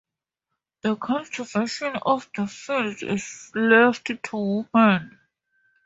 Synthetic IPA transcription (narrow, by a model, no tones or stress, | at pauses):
ðəkʰɔ̃ntʰɹəvɛʃə̃nɔvðəfildɪ̰zlɛfttʰuwmə̃n